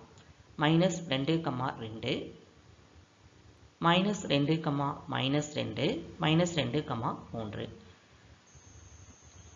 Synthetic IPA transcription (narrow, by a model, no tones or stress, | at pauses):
mɐɪnɐsɾɛɳɖɯkɐma̰ːɾɛɳɖɯ | mɐɪnɐsɾɛɳɖɯkɐmaːmɐ̰ɪnɐsɾɛ̰ɳɖɯmɐɪnɐsɾɛɳɖɯkɐmːaːmuːndrɯ̰